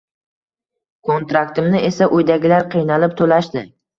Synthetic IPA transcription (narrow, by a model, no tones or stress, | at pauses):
kʰont̪ɾakt̪ɪmnɪʔe̞saʔojd̪aɡʲɪlaɾqʰɨjnalɪp̚t̪ʰolaʃd̪ɪ